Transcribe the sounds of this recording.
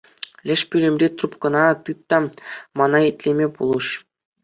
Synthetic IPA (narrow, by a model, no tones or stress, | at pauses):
lʲɘ̆ʂpʲylʲĕmʲrʲet̪rupkɤ̆nɑt̪ɯt̪ːɑmɑnɑetʲlʲemʲepulˠɤ̆ʂ